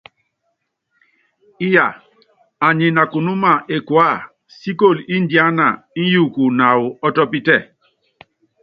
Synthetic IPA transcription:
i˦ja˨ | a˨ɲe˨na˨ku˨nu˦ma˦˨ʔe˨kwa˦˨ | si˦ko˦˨li˦ndja˦na˨i˦ju˦˨ku˨na˨wu˨ɔ˦tɔ˦pi˦tɛ˦˨

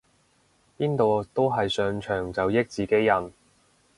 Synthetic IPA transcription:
piː˥nt̪o˨wt̪o˥wɦɐ˨jsœː˧ŋt͡ʃʰœː˨˩ŋt͡sɐ˨wjɪ˥k̚t͡siː˨ke˥jːɐ˨n

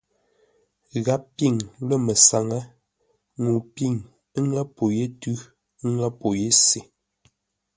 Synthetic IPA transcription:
ɣa˦pi˦˨ŋlə˦˨mə˨sa˨ŋə˦ | ŋu˨pi˦˨ŋ˦ | ŋa˦po˨je˦tʉ˦ | ŋa˦po˨je˦se˨

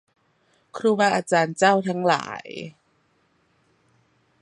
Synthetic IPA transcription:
kʰɾuː˧waː˧ʔaː˧t͡ɕaː˧nt͡ɕa˥˩wt̪ʰa˦˥ŋla̰ː˩˦j

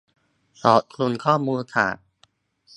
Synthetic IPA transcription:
sɔː˩˦t̪̚kʰlu˧nkʰɔː˥˩muː˧nt̪ʰa̰ː˨˩

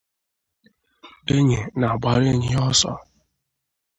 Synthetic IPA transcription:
e˦ɲe˨na˨ɡ͡ba˨ɾe˦˨ɲɪ˦ɔ˦sɔ̰˨

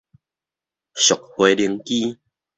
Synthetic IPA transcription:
ɕjo˨˩k̚hwe˨˧˦li˧əŋki˦

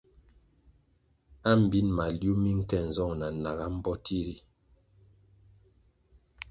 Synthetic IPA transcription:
a˦m̩˨bi˦nma˨lju˦mi˦ŋ̩˦kɛ˦˨n̩˨zɔ˦˨ŋna˨na˨ɣa˦m̩˦bɔ˦tʰi˦ɾi˦

